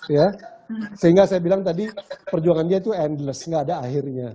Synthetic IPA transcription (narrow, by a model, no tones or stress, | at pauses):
ja | səɦiŋɡasajabilaŋt̪adipərd͡ʒuaŋandiat̪uɛndləsŋaːdaːɦɪrɲa